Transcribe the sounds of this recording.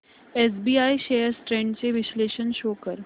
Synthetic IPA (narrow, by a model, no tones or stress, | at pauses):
ɛːs̬biːaːiʃeːəɾsʈɾɛ̃ːɳɖseʋɪʃleːʃənʃoːkəɾ